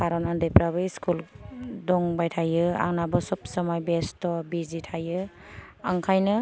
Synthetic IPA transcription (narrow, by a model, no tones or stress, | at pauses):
kʰaɾɔnandejpɾaβɯiskuldɔŋbajtʰajɯa̰ŋnabɔsɔp̚sɔmajbestɔbizitʰajɯ | aŋkʰajnɯ